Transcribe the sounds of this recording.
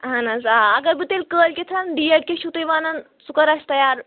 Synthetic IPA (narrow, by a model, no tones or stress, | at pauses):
ɦãnad͡zaaɡəbit̪elkəlkʲet̪ʰɾanɖieʈkʲeɕut̪ejʋanan | sukəɾast̪əjaɾ